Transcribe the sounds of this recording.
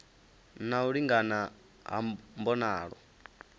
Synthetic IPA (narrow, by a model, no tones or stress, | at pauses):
nauɺiŋɡana | ɦa̰mbɔnaːɺɔ̰